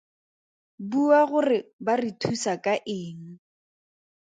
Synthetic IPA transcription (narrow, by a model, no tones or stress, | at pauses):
buaɣʊrɪbaritʰusakʼaʔɪːŋ̩